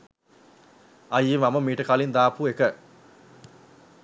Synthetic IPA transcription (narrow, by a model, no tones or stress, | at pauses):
ajiʋaməmiːʈəkalind̪aːpuːekə